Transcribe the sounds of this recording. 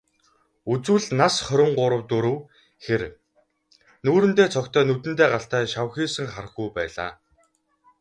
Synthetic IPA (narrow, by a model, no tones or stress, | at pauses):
ut͡swɘ̆ɮnasχœɾʲɪ̆ɴɢʊɾə̆wt̪uɾɘ̆w | xeɾ | nuːɾɘ̆nt̪eːt͡sʰɔkt̪ʰœːnut̪ɘ̆nt̪eːɢaɬt̪æːʃawxiːsɘ̆ŋχarə̆xujpæːɮa̰ː